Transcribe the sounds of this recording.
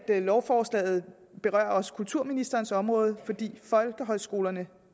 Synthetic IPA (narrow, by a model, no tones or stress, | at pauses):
d̥lɒʊfɒːslɛ̰ːɪð̞̩ˠ | b̥e̝ʁɶ̰ɐ̰ɒ̽sə̥kʰult͡sʰuɐ̰minisd̥ɐːnsɒ̽mʁɔ̽ːð̞ˠfɒ̽d̥ḭːfɒ̽lɡ̥əɦɒ̽ɪsɡ̥o̝ːlɐnə